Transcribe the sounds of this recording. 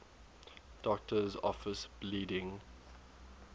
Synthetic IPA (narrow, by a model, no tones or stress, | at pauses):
d̥ɔk̚tʰəzɔ̰fəsbliːdɪ̃ŋ